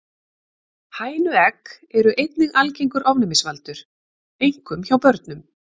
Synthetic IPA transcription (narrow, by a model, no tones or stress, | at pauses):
haːjnʏɛk | ɛɾʏʔejt̪nɪɣʔalcejŋkʏɾʔɔvnɛmɪsvalt̪ʏɾ̥ | ejŋkʏmçawpœɾt̪nʏm